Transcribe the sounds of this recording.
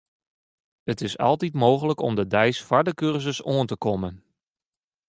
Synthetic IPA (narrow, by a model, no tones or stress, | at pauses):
ətɪsɑ̰lˠtitmoːɣələkɔ̰mdədɛjsfaɹdəkørzəsoəntəkɔmən